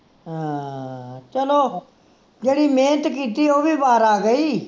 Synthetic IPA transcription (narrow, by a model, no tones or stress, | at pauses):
ɦãː | t͡ʃəloː | d͡ʒeːɽiːmẽːt̪kiːt̪iːoːʋiːbaːɾaːɡəiː